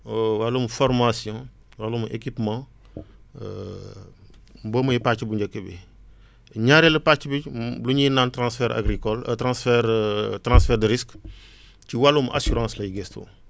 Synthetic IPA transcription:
walumfɔɾmasijɔ̃ | walumʔḛkipmã̰ | mboːmujipat͡ʃibuɲɟɐkəbḭ | ɲaɾeləpat͡ʃːibibluɲinaːntɾãːsfɛɾʔa̰ɡɾikɔlɐtɾãsfɛɾtɾãsfɛːɾdəɾisk | t͡ʃiwalumʔa̰suɾãːslɐjiɡɛsto̰

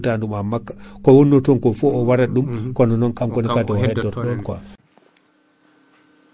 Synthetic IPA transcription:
tandumamːakːḁkɔwɔnːɔtɔŋkɔfɔɔwaɾaɗumkɔnɔnɔnkamkɔnikatɛhɛtːɔtɗɔnkwa

